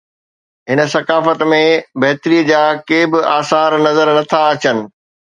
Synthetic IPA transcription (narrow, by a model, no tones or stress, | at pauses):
ɦɪnə̆sɐkaːfət̪mẽbɐɦɪt̪ɾid͡ʑaːkeːbɪʔaːsaːɾnɐzəɾnɐt̪ʰaɐt͡ɕənɪ̆